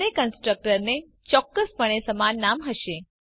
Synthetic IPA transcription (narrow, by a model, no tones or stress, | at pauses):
ekənsʈɾək̚ʈəɾne | t͡ʃɔkːəspəɳ̃esəmanːamɦəʃe